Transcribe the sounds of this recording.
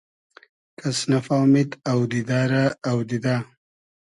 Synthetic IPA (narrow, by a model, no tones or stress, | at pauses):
kʰasnafamɪd̪awd̪id̪aːɾaːwd̪id̪a